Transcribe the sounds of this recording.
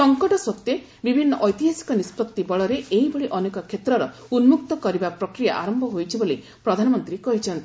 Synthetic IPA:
sɔŋkɔʈɔsɔt̪je | bibʱinːɔʔɔjt̪iɦasi̥kɔnispɔt̪ːibɔɭɔɾeeɦibɔɭiʔɔnekɔkʰet̪ɾɔɾɔ | unmuk̚t̪ɔkɔɾibapɾɔkɾija̰ʔaɾɔmbʱɔɦojt͡ʃʰiboli | pɾɔd̪ʱanɔmɔnt̪ɾikɔɦit͡ʃʰɔnt̪i

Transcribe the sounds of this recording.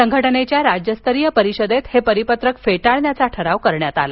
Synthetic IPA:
səŋɡʱəʈənet͡ɕjaɾad͡ʑjəst̪ʰəɾijəpəɾiɕəd̪et̪hepəɾipət̪ɾəkfeʈaɭnjat͡saʈʰəɾaʋkəɾɳjat̪ala

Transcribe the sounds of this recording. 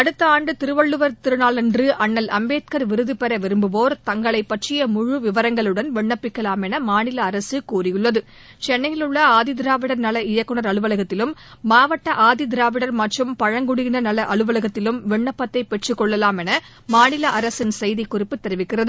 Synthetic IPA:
ɐɽɯt̪ːɐaːɳɖɯt̪ɪɾɯʋɐɭːɯʋɐɾt̪ɪɾɯnaːlɛndrɯʔɐɳːɐlɐmbeːt̪̚kɐɾʋɪɾɯðɯpɛɾɐʋɪɾɯmbɯʋoːɾt̪ɐŋɡɐɭɐɪpːɐʈrɪjɐmʊɻʊʋɪʋɐɾɐŋɡɐɭɯɽɐnʋɛɳːɐpːɪkːɐlaːmɛnɐmaːnɪlɐːɾɐsɯkuːrɪjɯɭːɐðɯ | t͡ʃɛnːɐjɪlɯɭːɐaːðɪd̪ɪɾaːʋɪɽɐɾnɐlɐɪjɐkːɯnɐɾɐɭɯʋɐlɐɣɐt̪ːɪlɯmːaːʋɐʈːɐʔaːðɪd̪ɪɾaːʋɪɽɐɾmɐʈrɯmpɐɻɐŋɡʊɽɪɣɪnɐnɐlɐʔɐɭɯʋɐlɐɣɐt̪ːɪlɯmʋɛɳːɐpːɐt̪ːɐɪpːɛʈrɯkːɔɭːɐlaːmɛnɐ | maːnɪlɐʔɐɾɐsɪnsɛjðɪkːʊrɪpːɯt̪ːɛɾɪʋɪkːɪrɐðɯ

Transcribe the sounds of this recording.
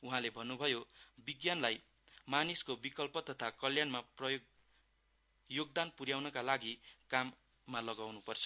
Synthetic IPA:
uɦãlebʱʌnːubʱʌjobiɡjanlaj | maniskobikʌlpʌt̪ʌt̪ʰakʌljanmaprʌjo | joɡd̪anpuɾjawnʌkalaɡikamː | alʌɡawnupʌrt͡sʰʌ̥

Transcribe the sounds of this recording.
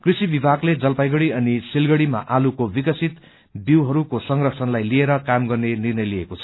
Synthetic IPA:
krisibibʱaɡled͡zʌlpajɡʌɽiʌnisilɡʌɽima̰ʔalukobikʌsʰit̪ | biwɦʌɾukosʌŋrʌkt͡sʰʌnlajlieɾʌkamɡʌrnenirnʌjliekot͡sʰʌ̥

